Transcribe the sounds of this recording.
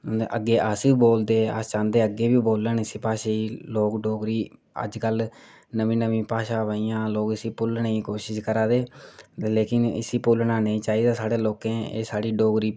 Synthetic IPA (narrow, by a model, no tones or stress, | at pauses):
ʔə̰ɡːeːʔəsiboːld̪eːə̰st͡ʃãːnd̪eːəɡeːbiːboːlənɪsiːpaːʃeːiːloːkɖoːɡɾiː | ə̰d͡ʒkəl | nəʋĩːnəʋĩːpaːʃaːʋəːiːãːloːkɪsiːpʊlnəĩːkoːʃɪʃkəɾaːd̪eːleːkɪnɪ̰siːpʊlnaːnəĩːt͡ʃaːiːd̪aːsaːɽeːloːkẽːḛːsaːɽiːɖoːɡɾiː